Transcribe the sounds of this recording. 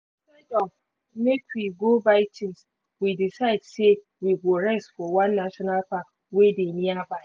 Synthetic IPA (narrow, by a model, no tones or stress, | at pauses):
sɛdɔm | mekwiɡobaɪt͡ʃʰɪ̃ns | widisaɪdse | wiɡoɾɛstfɔwãnːaʃɔnalpa | wedemiaba